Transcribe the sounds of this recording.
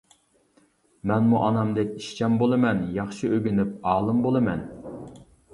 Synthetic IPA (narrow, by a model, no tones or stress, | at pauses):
mɛnmuʔɑnɑmd̪ɛkʲiʃt͡ʃʰɛmbolˠɨmɛnjɑχʃiøɡʲynyp̚ɑːlˠɨmbolˠɨmɛn